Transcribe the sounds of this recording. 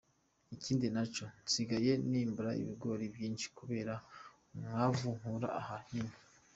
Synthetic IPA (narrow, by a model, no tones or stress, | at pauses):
iciːndinat͡ʃo̞nsiɡaje̞niːmbuɾaḭβiɡo̞ːɾibjiːnʃi̥kuβe̞ːɾa | mwavuŋuɾa̰ahahino